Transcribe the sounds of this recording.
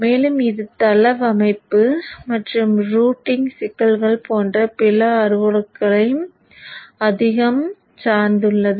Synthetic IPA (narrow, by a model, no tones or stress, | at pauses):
meːlɯmɪðɯt̪ɐlɐʋɐmɐɪpːɯmɐʈrɯmɾuːʈːɪŋsɪkːɐlɣɐɭpoːndrɐpɪlɐːɾɯʋɐɽɯkːɐɭɐɪjɯm | ɐðɪɣɐm | t͡ʃaːɾnd̪ɯɭːɐðɯ